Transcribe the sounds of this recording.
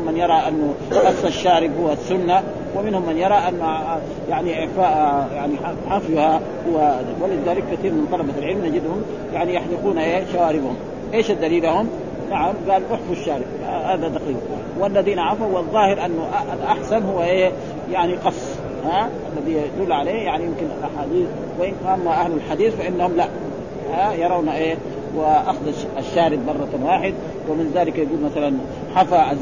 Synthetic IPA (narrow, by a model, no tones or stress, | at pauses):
mːanjɑɾˤɑʔanːuqɑsˤːaʃːaːɾɪbhuwːasːʊnːa | wɪmɪnhʊmːanjɑɾˤɑʔanː | jaʕniʔɪʕfaːʔjaʕniħaħafjha | huwːawalɪðaːlɪkːat̪iːɾmɪnt̪ˤɑlɑbalʕɪlmnad͡ʒɪd̪hʊm | jaʕnijaħlɪquːnaʔeːʃawaːɾɪbhʊm | ʔeːʃad̪ːaliːlahum | naʕamɡaːlʔʊħfuʃːaːɾɪbahaːd̪ad̪ɑqiːq | walːaðiːnaʕafawɪðˤːɑːhɪɾʔanːuʔalʔaħsanhuwːaʔeː | jaʕniqɑsˤː | haːʔalːaðiːjad̪ulːʕaleːjaʕnijɪmkinʔaħaːd̪iːθ | wɪʔɪnamaʔahlalħad̪iːθfaʔɪnːahʊmlaʔ | haːjɑɾˤɑwnaʔeː | wɪʔaxd̪ɑ | aʃːaːɾɪb̪̚mɑrˤːɑt̪waːħɪd̪ | wɪmɪnzaːlɪkajaɡuːlmaθalan | ħafaʔa